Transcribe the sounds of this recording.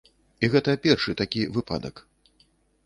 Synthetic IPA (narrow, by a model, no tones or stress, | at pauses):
iɣɛt̪ɐpʲɛrʂɨt̪akʲivɨpa̰d̪ɐ̰k